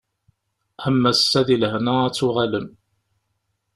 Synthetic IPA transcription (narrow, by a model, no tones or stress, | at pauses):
həmːæsːæðilhnææt͡sːuʁæləm